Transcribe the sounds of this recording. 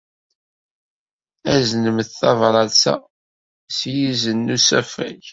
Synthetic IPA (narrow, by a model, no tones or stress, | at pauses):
æznəmθθɑvɾˤɑlsæ̰ | sjizənːusæfæ̰ç